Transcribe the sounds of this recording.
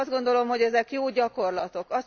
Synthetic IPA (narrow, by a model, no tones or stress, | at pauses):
zd̪ɡo̞nd̪o̞lo̞mho̞ɟɛzɛkjoːɟɒko̞rlɒt̪o̞kɒs